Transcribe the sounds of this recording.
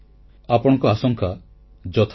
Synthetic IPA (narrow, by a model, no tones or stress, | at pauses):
apɔɽ̃ɔ̃ŋkɔasɔŋkʰa | d͡ʒɔt̪ʰ